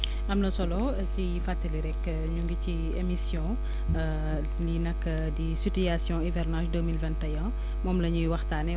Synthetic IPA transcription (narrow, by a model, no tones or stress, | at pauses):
ʔɐmlɐsɔlɔ | ci | fatːəliɾɛkː | ɲuŋɡici | emisjɔ̃ | linɐkːə | disitijasjɔ̃ivɛrnãʃdəmilvɛ̃ntɐjɐ̃ | mɔːmlɐɲujwɐxtaːnɛ